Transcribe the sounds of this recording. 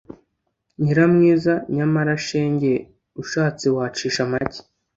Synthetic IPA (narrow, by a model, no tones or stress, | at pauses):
ɲiɾamŋiːzaɲamaɾaʃeːɲɟe̞ | uʃaːt͡siwaːt͡ʃiːʃamaci̥